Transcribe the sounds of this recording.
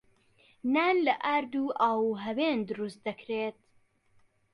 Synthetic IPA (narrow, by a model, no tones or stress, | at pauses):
naːnlɐʔaːɾd̪uːʔaːwuɦɐweːnd̪ɨɾust̪̚d̪ɐkɾeːt̪̚